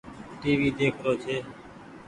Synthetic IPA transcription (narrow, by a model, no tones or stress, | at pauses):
ʈiːʋiːd̪eːkʰɾoːt͡ʃʰeː